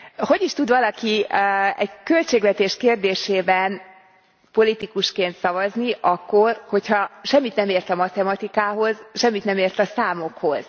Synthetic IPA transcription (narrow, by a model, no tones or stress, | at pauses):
ho̞ɟiʃt̪ud̪ʋɒlɒkiɛ̰ɟkø̞lt͡ʃeːɡʋɛt̪eːʃkeːrd̪eːʃeːbɛn | po̞lit̪ikuʃkeːnt̪sɒvɒzniʔɒkːo̞rho̞chɒʃɛmːit̪nɛmeːrt̪ɒmɒt̪ɛmɒt̪ikaːɦo̞zʃɛmːit̪nɛmeːrt̪ɒsaːmo̞kho̞z̥